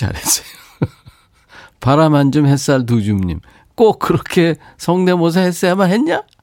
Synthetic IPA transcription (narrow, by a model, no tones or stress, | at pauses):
a̰ɾes͈ʌ̥jo | paɾamand͡ʑɯmhes͈aɭt̬ud͡ʑumɲḭm | k͈ok̚kɯɾʌkʰe̞ | sʰʌŋne̞mos̬ʰʌhes͈ʌjamanɦenɲa